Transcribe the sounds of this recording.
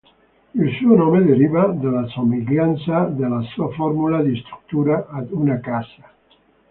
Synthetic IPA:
ilsunɔmeðeɾiβaðelasomeʎansaðelasuafɔɾmulaðist̪ɾu̥k̚t̪uɾaʔad̪unakasa

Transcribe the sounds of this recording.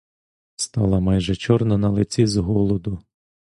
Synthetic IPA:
st̪ɑlˠɐmɑjʒɛt͡ʃɔrnɐnɐlˠɪt͡sʲizɦɔlˠɔd̪ʊ

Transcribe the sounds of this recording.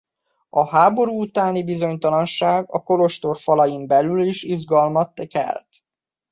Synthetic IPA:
ɒɦaːbo̞ɾuːut̪aːnibizo̞ɲt̪ɒlɒnʃaːɡɒko̞lo̞ʃt̪o̞rfɒlɒjimbɛlyliʃiʒɡɒlmɒt̪ːkɛ̰lt̪

